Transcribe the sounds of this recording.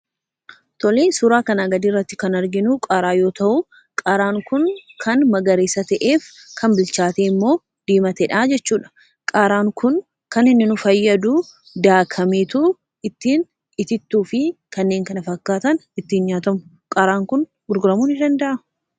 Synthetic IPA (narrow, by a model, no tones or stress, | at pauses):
t̪ɔleːsʊɾaːkɐnɐɡɐd̪iːrːɐt̪ːɪkɐnɐɾɡɪnʊkʼaːɾaːjo̞ːt̪ɐʔʊ | kʼaːɾaːŋkʊnkʰɐnmɐɡɐɾeːsɐt̪ɐʔeːfkʰɐmbɪlt͡ʃaːt̪eːmːo̞ː | d̪̥iːmɐt̪ɛᶑaːd͡ʒɛt͡ʃːuːᶑɐ̥ | kʼaːɾaːŋkʊn | kɐnɪnːɪnʊfɐjːɐd̪uː | d̪aːkʰɐmeːt̪uː | ɪt̪ːiːn | ɪt̪ɪt̪ːuːfɪkɐnːe̞ːŋkɐnɐfɐkːaːt̪ɐnɪt̪ːɪnɲaːt̪ɐmʊ | kʼaːɾaːŋkʊn | ɡ̥ʊɾɡʊɾɐmuːnɪd̪ɐnd̪ɐʔɐ